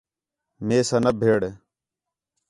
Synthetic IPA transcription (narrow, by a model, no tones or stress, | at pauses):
meːsɐnɐbʱeːɽe